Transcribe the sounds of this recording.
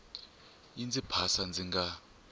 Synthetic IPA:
ind͡zʱipʰasand͡zʱiŋɡa

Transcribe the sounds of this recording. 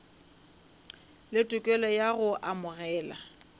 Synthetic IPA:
lɪtʼʊkʼɛlɔjaɣʊʔamʊɣɛːla̰

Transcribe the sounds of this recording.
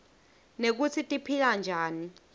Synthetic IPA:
nek̬ut͡sʰitʼipʰik̬and͡ʒʱaːni

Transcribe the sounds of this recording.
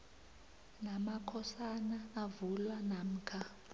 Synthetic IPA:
namakʰɔsanaːvulwanam̩ːkʰa

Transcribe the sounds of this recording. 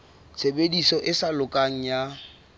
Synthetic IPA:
t͡sʰebedisɔʔɪsalʊkʼaŋ̩ja

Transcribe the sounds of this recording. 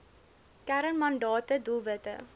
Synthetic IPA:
kæɾənmɐnɖɑːt̪əd̪uvət̪ə̰

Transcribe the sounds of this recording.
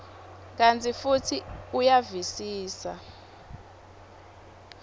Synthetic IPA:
k̬ʼantʰifutʰiujavisiːsa

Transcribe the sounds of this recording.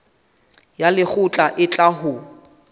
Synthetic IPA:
jalɪk͡xʰʊt͡ɬʼaʔɪt͡ɬʼahʊ

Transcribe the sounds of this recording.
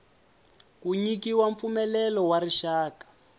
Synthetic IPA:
kuɲikiwaɱp̪fumɛlɛlɔwaɾiʃaːkḁ

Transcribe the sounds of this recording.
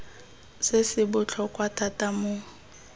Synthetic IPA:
sɪsɪbʊt͡ɬʰɔkʼwatʼatʼamʊ

